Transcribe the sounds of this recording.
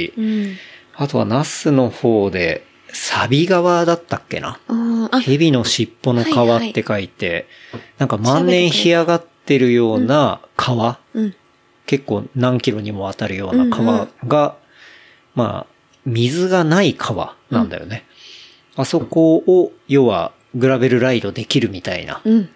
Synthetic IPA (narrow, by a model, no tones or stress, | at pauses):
i | at̪o̞βa̰nasɨno̞ho̞ːd̪e̞̰ | sabʲiɡaβad̪at̪ːakːe̞̰na̰he̞bʲino̞ɕipːo̞no̞kaβat̪ːe̞kait̪e̞ | nãŋkamãnːẽɰ̃çiaɡat̪ːe̞ɾɯ̟jo̞ːnakʰaβa | ke̞kːo̞̰ːnãŋkʲiɾo̞ɲ̟imo̞βat̪aɾɯ̟jo̞ːnnakʰaβaɡa | ma̰ː | mʲizɨɡanaikʰaβa̰nã̰nd̪a̰jo̞̰ne̞ | aso̞ko̞o | jo̞βa̰ | ɡɯ̟ɾabe̞ɾɯ̟ɾaid̪o̞d̪e̞kʲiɾɯ̟mʲit̪aḭna̰